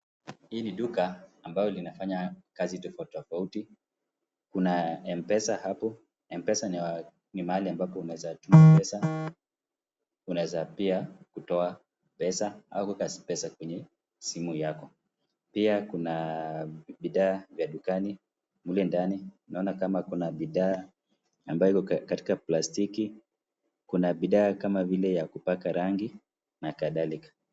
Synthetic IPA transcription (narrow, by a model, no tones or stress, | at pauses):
hiːniɗukaːmbalɔlinafaɲakazitɔfautɔfauti | kunaɛmpɛsahapɔ | ɛmpɛsan | nimaaliambapɔunawɛzatumapɛsa | unawɛzapiakutɔa | pɛsaa̰ukwɛkaspɛsakwɛɲɛ | simujakɔ | piakuna | ɓiðaːvjaɗukani | mulɛndani | naɔnakamakunaɓiðaː | ambajɔikɔkati̥kaplastiki | kunaɓiɗaːkamavilɛjakupakaɾaŋɡi | nakaðalikḁ